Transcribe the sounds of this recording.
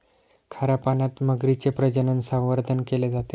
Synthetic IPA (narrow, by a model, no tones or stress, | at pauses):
kʰaɾjapanat̪məɡɾit͡sepɾəd͡ʑənənsə̃ʋəɾd̪ʱənkeled͡zat̪e